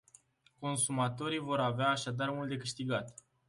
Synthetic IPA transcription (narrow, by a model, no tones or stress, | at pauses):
ko̞nsumat̪o̞ɾijvo̞ɾaveaːʃad̪armult̪̚d̪e̞kɨʃt̪iɡat̪